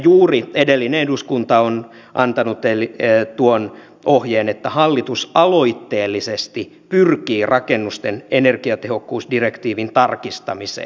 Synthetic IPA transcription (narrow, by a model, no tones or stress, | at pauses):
juːriedelːineeduskunt̪ɑon | ʔɑ̰nt̪ɑnut̪elit̪uon | ʔohjeːnet̪ːæhɑlːit̪usɑloit̪ːeːlːisest̪i | pyrkiːrʔɑkenːust̪enenerkiɑt̪ehokːuːsdirekt̪iːʋint̪ɑrkist̪ɑmisḛː